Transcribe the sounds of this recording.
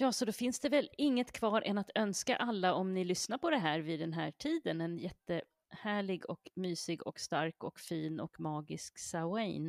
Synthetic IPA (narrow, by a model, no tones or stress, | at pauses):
jɑːsɔd̪ofɪnsd̪ɛvɛlɪŋːət̪kʰvɑːɾʔɛnat̪œnska̰ʔalːaɔmnɪlʏsnaɾpʰɔd̪ɛɦæːɾvɪd̪ɛnɦæːʈʰiːd̪ənɛnjɛt̪ːə | hæːɭɪɡɔ̰kmyːsɪɡɔ̰kst̪aɾkɔkfiːnɔ̰kmɑːɡɪsksaɛjn